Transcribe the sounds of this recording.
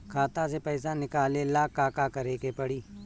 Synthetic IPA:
kʰaːt̪ãsepɛːsanɪkaːlelaːkːaːkakɐɾeːkepɐɽiː

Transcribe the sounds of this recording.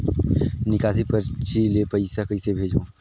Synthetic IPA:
nɪkaːs̬ipəɾt͡ʃilepəɪsakəisebʱeːd͡ʒõː

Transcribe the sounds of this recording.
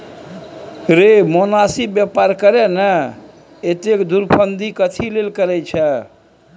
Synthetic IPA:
ɾemonasibjɛpaɾkəɾɛnɛ | et̪ekd̪uɾpʰənd̪ʱikət̪ʰilelkəɾɛjt͡ʃʰɛ

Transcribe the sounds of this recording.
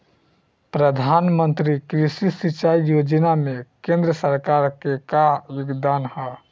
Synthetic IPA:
pɾəd̪ʱanmənt̪ɾikɾisisit͡ʃaijod͡ʒənamekẽnd̪ɾəsəɾkaɾkekajoɡd̪anhɔ

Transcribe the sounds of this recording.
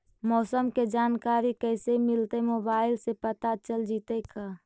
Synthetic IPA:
mɔːsəmked͡ʒaːnkaːɾikɛːsemɪlt̪emoːbaːɪlsepət̪at͡ʃəld͡ʒiːt̪ekaː

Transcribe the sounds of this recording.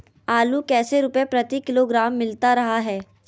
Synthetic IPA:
aːlukɛːseɾʊpepɾɐt̪ikɪloɡɾaːmːɪlt̪aɾɐɦaɦɛː

